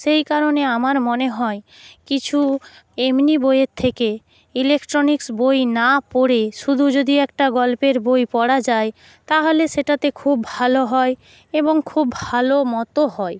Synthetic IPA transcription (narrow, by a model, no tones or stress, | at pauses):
ʃejkaɾoneamaɾmoneɦɔe | kit͡ɕʰu | emnibojeɾt̪ʰeke | ilekʈɾoniksbojnapoɽeʃud̪ʱud͡ʑod̪iɛkʈaɡɔlpeɾbojpɔɽad͡ʑae | t̪aɦoleʃeʈat̪ekʰubːʱaloɦɔe | eboŋkʰubːʱalomɔt̪oɦɔe